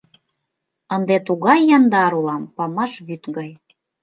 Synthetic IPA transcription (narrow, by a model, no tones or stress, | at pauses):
ənd̪et̪uɣɑjːɑnd̪ɑɾulɑmpɑmɑʃβyt̪ɡɑj